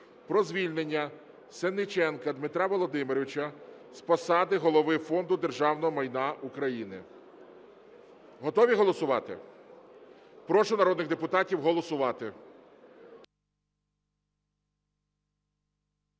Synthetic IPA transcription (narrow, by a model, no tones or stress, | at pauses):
pɾɔzʲʋʲilʲnenʲːɐ | senːɪt͡ʃɛnkɐd̪mɪt̪ɾɑʋɔlˠɔd̪ɪmɪɾɔʋʲɪt͡ʃɐ | spɔsɑd̪ɪɦɔlˠɔʋɪfɔnd̪ʊd̪e̞rʒɑwn̪ɔɦɔmɐjnɑʔukɾɐjinɪ̰ | ɦɔt̪ɔʋʲiɦɔlˠɔsʊʋɑt̪ɪ̰ | pɾɔʃʊnɐɾɔd̪nɪɣd̪epʊt̪ɑtʲiwɦɔlˠɔsʊʋɑt̪ɪ